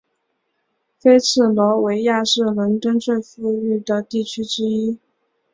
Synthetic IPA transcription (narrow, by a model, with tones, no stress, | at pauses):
fe˥ɪt͡sʰɹ̩˥˩lwɔ˧˥we˧˥ɪja˥˧ʂɻ̩˥˩lwə˧˥nt̪ə˥nt͡swe˥˧ɪfu˥y˥˩d̪ə˩t̪i˥˩t͡ɕʰy˥ʈ͡ʂɻ̩˥i˥